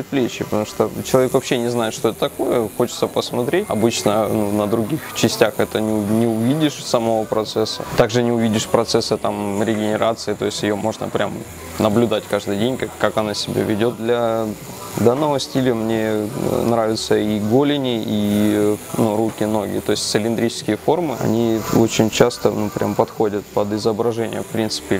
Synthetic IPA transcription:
pɾʲɪt̪̚plʲet͡ɕːɪpət̪ɐmu̥ʂt̪ot͡ɕɪlˠɐvʲekvɐpɕːenʲɪznaɪt̪ʂt̪o̞ɛt̪ət̪ɐko̞jəxo̞t͡ɕɪt̪səpəsmɐt̪ɾʲet̚ʲɐbɨt͡ɕnənunəd̪ɾʊɡʲixt͡ɕɪsʲtʲaxɛt̪ənʲɪʊnʲɪʊvʲidʲɪʂsɐmɐvopɾɐt̪sɛsːə̰t̪aɡʐɨnʲɪʊvʲidʲɪʂpɾɐt̪sɛsːɨt̪amɾʲɪɡʲɪnʲɪɾʔat̪sɨɪt̪o̞ɪsʲtʲjɪjomo̞ʐnə̰pɾʲʔam | nəblʲʊd̪atʲkaʐd̪ɨjdʲenʲkakːakɐnasʲɪbʲa̰vʲɪdʲo̞t̪̚d̪lʲɐ | d̪anːəvəsʲtʲilʲɪmnʲenɾavʲɪt̪səiɡolʲɪnʲɪi | nurukʲɪno̞ɡʲɪ̰t̪o̞ɪsʲtʲt̪sɨlʲɪnd̪ɾʲit͡ɕɪ̥skʲɪjəfo̞rmɨɐ̰nʲio̞t͡ɕɪnʲt͡ɕast̪ənupɾʲʔa̰mpɐt̪xo̞dʲət̪̚pəd̪ɪzəbɾɐʐɛnʲɪ̰jə̰fpɾʲint̪sɨ̥pʲɪ

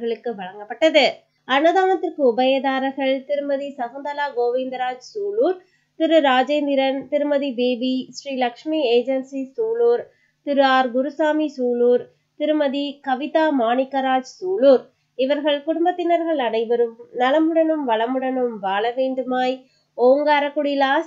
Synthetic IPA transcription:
ɣɐɭɯkːɯʋɐɻɐŋɡɐpːɐʈːɐðɯ | ɐnɐðaːnɐt̪ːɪrkɯʊbɐjɐðaːɾɐɣɐɭt̪ɪɾɯmɐðisɐɣɐnd̪ɐlaːɡoːʋɪnd̪ɾaːd͡ʒsuːluːɾ | t̪ɪɾɯɾaːd͡ʒɐɪnd̪ɪɾɐnt̪ɪɾɯmɐðibeːbisriːlɐkʂmieːd͡ʒɐnsisuːluːɾ | t̪ɪɾɯaːɾɡʊɾusaːmisuːluːɾ | t̪ɪɾɯmɐðikɐʋɪt̪aːmaːnɪkːɐɾaːd͡ʒsuːluːɾ | ɪʋɐɾɣɐɭkʊɽʊmbɐt̪ːɪnɐɾɣɐɭɐɽɐɪʋɐɾɯmnɐlɐmɯɽɐnɯmʋɐɭɐmɯɽɐnɯmʋaːɭɐʋeːɳɖɯmaːj | oːŋɡaːɾɐkːʊɽilaːs

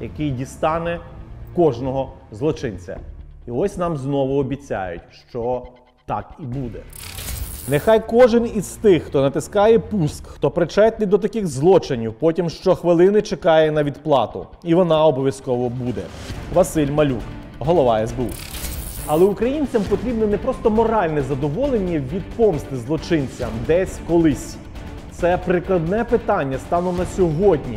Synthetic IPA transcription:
jɐkɪjdʲist̪ɑnɛkɔʒnɔɦɔzlˠɔt͡ʃɪnʲt͡sʲɐ̰iɔsʲnɑmznɔʋʊɔbʲit͡sʲa̰jʊ̰tʲʃt͡ʃɔ | t̪ɑ̰kibud̪ɛ | nɪxɑjkɔʒɪnizt̪ɪxːt̪ɔnɐt̪ɪskɑjɛpuskxt̪ɔpɾɪt͡ʃɛt̪lʲɪd̪ɔt̪ɐkɪxzlˠɔt͡ʃɪnʲiwpɔtʲimʃt͡ʃɔxʋɪlˠɪnɪt͡ʃekɑjɛnɐʋʲid̪plˠɑt̪ʊ̰ | iʋɔnɑɔbɔʋʲjɐskɔʋɔbud̪ɛ̰ | ʋɐsɪlʲmɐlʲṵk | ɦɔlˠɔʋɑɛzbeṵ | ɐlˠɛukɾɐjinʲt͡sʲɐmpɔt̪ɾʲibnɛnɛpɾɔst̪ɔmɔɾɑlʲnɛzɐd̪ɔʋɔlˠenʲːɐʋʲid̪̚pɔmst̪ɪzlˠɔt͡ʃɪnʲt͡sʲɐmd̪ɛsʲkɔlˠɪsʲ | t̪sɛpɾɪklˠɐd̪nɛpɪt̪ɑnʲːɐst̪ɑnɔnɐsʲɔɦɔdʲnʲḭ

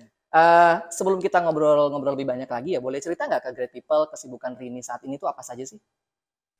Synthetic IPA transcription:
ʔəsəbəlʊmkit̪aŋobɾɔlŋɔbɾɔləbɪhbaɲaklaɡijabolɛht͡ʃəɾit̪aŋɡakəɡɾet̪̚pipəlkəsibukanrinisaat̪init̪uapasad͡ʒasɪh

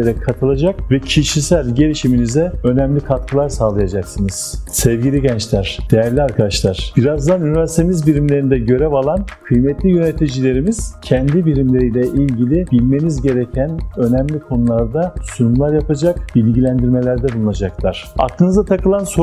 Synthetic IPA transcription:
eɾɛkʰat̪ʰɯlˠad͡ʒakvɛcʰiʃisælʲɟe̞lʲiʃiminizɛø̞nɛmlʲikʰat̪̚kʰɯlˠaɾsaːlˠajad͡ʒaksɯnɯz̥sɛvɟilʲiɟɛnt͡ʃlʲæɾ̥d̪̥ejæɾlʲiaɾkʰad̪aʃlˠaɾ̥b̥iɾazd̪anynivæɾsit̪ʰemizbiɾimlʲe̞ɾind̪ɛɟø̞ɾɛvalˠankʰɯjmɛt̪lʲijø̞net̪ʰid͡ʒilʲe̞ɾimiz̥cʰɛnd̪ibiɾimlʲe̞ɾijlʲɛʔilʲɟilʲib̥ilʲme̞nizɟe̞ɾecʰænø̞nɛmlʲikʰo̞nulˠaɾd̪asynumlˠaɾjapad͡ʒakb̥ilʲɟilʲænd̪iɾme̞lʲæɾd̪ɛbulˠunˠad͡ʒaklˠaɾ̥a̰klˠɯnɯzd̪at̪ʰakɯlˠanso

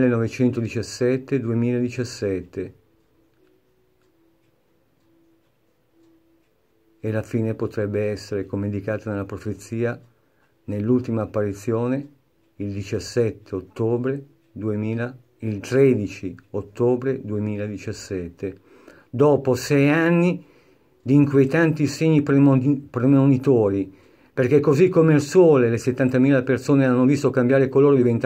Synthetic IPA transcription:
lenɔvet͡ʃɛnt̪od̪it͡ʃasːɛt̪ːed̪uemiːlaed̪it͡ʃasːɛt̪ːe | elafiːnepot̪ɾɛbːeɛsːeɾekomend̪ikaːt̪anelːapɾofet̪sːiːa | nelːult̪imaːpːaɾit̪sːjoːne | ild̪it͡ʃasːɛt̪ːeot̪ːoːbɾe | d̪uemiːla | ilt̪ɾɛːd̪it͡ʃiot̪ːoːbɾed̪uemiːlad̪it͡ʃasːɛt̪ʰːe | d̪ɔːposɛjanːi | d̪iːŋkwejt̪ant̪iseɲːipɾepɾemonit̪oːɾi | perk̟ekːozikːomeilswoːleleset̪ːant̪amiːlapersoːneanːovist̪okambjaːɾekoloːɾod̪ivent̪

